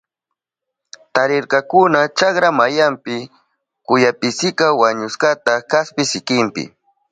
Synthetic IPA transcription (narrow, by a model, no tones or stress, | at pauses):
t̪aɾɪɾkɑkʊnat͡ʃakɾamajampɪ | kʊjapɪsɪkawaɲʊskat̪akaspɪsɪkɪmpɪ̰